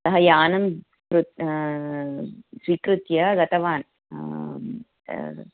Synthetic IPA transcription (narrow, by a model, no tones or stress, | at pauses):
sɐɦɐjaːnɐm | kɾut̪ | sʋikɾɨt̪jɐɡɐt̪ɐʋaːn